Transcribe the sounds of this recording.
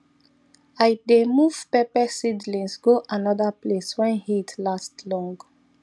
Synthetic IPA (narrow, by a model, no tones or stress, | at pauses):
ajdemuv̥pɛpɛsidlĩnsɡoʔanɔdapleswɛ̃nhitʰlastlɔ̃ŋɡ